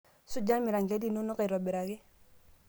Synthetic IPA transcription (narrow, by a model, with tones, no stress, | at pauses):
su˦d͡ʒa˦mi˨ɾa˨ŋɡe˦di˨no˦no˦ka˨ɾo˨bi˨ɾa˨ki˦